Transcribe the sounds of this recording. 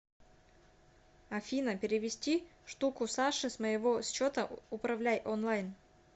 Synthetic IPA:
ɐfʲinəpʲɪɾʲɪvʲɪsʲtʲiʂt̪ukʊsaʂɨsməjɪvost͡ɕːot̪əʊpɾɐvlʲæjʔonlˠajn

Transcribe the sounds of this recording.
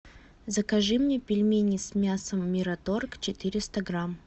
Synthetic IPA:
zəkɐʐɨmnʲepʲɪlʲmʲenʲɪsmʲasəmːʲɪɾɐt̪o̞rkt͡ɕɪt̪ɨɾʲɪst̪əɡɾam

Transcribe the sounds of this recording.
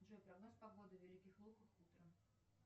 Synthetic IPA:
ʐɔpɾɐɡnospɐɡod̪ɨvʲɛlʲikʲɪxlˠuxəxut̪ɾəm

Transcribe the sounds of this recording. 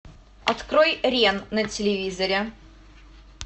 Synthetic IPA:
ɐt̪kɾojɾʲennɐtʲɪlʲɪvʲizɐɾʲɪ

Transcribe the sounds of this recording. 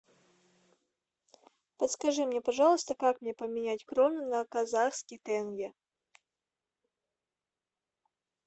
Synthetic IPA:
pət̪skɐʐɨmnʲɛpɐʐɑlˠəst̪əkakmnʲepəmʲɪnʲætʲkɾonɨnɐkɐzaxskʲɪjt̪ɛnɡʲɛ

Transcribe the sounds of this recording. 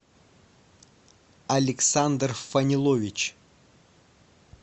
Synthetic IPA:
ɐlʲɪksand̪rfɐnʲɪlˠovʲɪt͡ɕ

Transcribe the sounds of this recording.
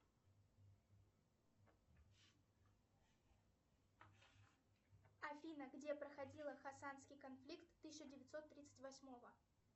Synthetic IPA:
ɐfʲinəɡdʲe̞pɾəxɐdʲilˠəxɐsanskʲɪjkɐnflʲikt̪ːɨsʲɪɕɪdʲɪvʲɪt̪so̞t̪ːɾʲit̪sɨ̥tʲvɐsʲmo̞və

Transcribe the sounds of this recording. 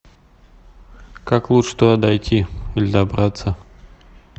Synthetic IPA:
kaklˠuʂʂt̪oɐd̪ɐjtʲʰiɪlʲɪd̪ɐbɾat̪sə

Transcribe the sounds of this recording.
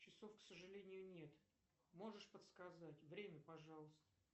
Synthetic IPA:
t͡ɕɪso̞fksəʐɨlʲenʲɪjʊnʲe̞t̪ | mo̞ʐɨʂpət̪skɐzatʲvɾʲemʲəpɐʐɑlˠəst̪əə

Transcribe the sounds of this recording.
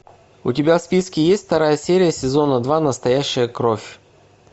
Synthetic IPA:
ʊtʲɪbʲafspʲiskʲɪjesʲtʲft̪ɐɾajəsʲeɾʲɪjəsʲɪzo̞nəd̪vanəst̪ɐjæɕːɪjəkɾofʲ

